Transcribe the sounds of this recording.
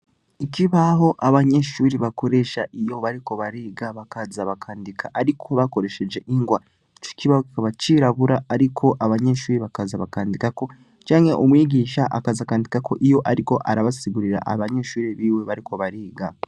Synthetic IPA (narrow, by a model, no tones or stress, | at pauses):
iciβaɦo̞ʔaβaɲe̞ʃuːɾiβako̞ɾe̞ʃaʔijo̞βaɾiko̞βaɾiːɡaβakazaβakʰaːndikʰaʔaɾikʰo̞βako̞ɾe̞ʃe̞d͡ʒe̞ʔiŋɡwa | it͡ʃo̥ciβahoki̥kaβat͡ʃiɾaβuɾaːɾikʰo̞ʔaβaɲe̞ʃuːɾiβakazaβakaːndikako̞ | t͡ʃaːŋhe̞ʔomwiːɡiːʃaʔa̰kazakaːndikako̞̰ʔijo̞ʔaɾiko̞ʔaɾaβasiɡuɾiɾa̰ʔa̰βaɲe̞ʃuːɾiβiːwe̞βaɾiko̞βaɾiːɡa